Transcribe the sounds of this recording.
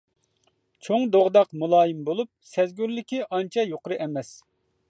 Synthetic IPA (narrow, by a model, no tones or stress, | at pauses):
t͡ʃʰoŋd̪oʁd̪ɑqmulˠɑːjimbolˠup̚sɛzɡʲyɾlɪkʲiʔɑnt͡ʃʰɑjoqɾɨʔɛmɛs